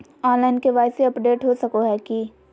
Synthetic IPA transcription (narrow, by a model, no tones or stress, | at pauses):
aːlaːɪnkeʋaːɪseɐpɖeːʈɦosɐkoɦɛːki